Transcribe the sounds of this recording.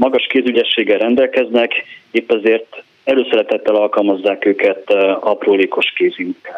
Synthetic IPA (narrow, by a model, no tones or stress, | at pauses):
mɒɡɒʃkeːzyɟɛʃːeːɡɛlrɛnd̪ɛlkɛznɛkeːpːɛzeːrt̪ | ɛløːsɛɾɛt̪ɛt̪ːɛlɒlkɒlmɒzːaːkøːkɛt̪ɒproːliːko̞ʃkeːziŋk